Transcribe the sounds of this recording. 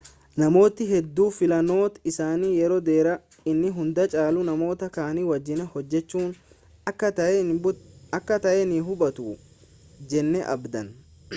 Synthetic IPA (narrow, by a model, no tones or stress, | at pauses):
nɐmo̞ːt̪ɪɦɛd̪ːuːfɪlɐno̞ːt̪ɪsaːniːjɛɾoːd̪e̞ːɾɐ | ɪnːɪɦʊnd̪ɐt͡ʃʼaːlʊnɐmo̞ːt̪ɐkaːniwɐd͡ʒːɪnɛhɔd͡ʒːɛt͡ʃːuːn | ɐkːɐ | ɐkːɐt̪ɐʔɛniɦʊbɐt̪uː | d͡ʒɛnːɛʔɐ̰bd̪ɐn